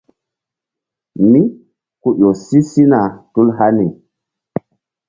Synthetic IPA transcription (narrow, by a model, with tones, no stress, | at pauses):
mi˦ | ku˦ʔo˨si˦si˦na˨tu˦lɦa˦ni˨